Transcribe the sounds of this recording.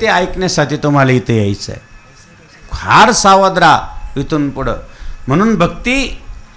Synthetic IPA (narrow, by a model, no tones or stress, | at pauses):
t̪eajknjasaʈ̪ʰiːt̪um̤alait̪ʰəjajt͡sə̰ | kʰaɾsaʋad̪ɾaʋit̪unpuɽə̰m̤əɽ̃uːnbʱəɡ̚t̪iː